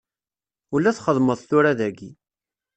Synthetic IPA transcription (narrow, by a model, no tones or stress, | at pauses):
ulːæθχəðˤməðˤθʊɾæðæɡi